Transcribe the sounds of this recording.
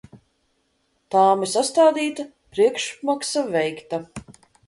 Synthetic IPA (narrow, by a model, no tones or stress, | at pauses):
t̪aːmisast̪aːd̪iːt̪a | pɾiɛkʃmaksavɛjkt̪a